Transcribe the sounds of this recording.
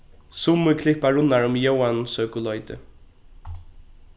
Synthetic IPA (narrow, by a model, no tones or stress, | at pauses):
sʊmʊkʰlɪhpaɹʊnːaɹʊmjowansœːkʊlɔjt̪ə̰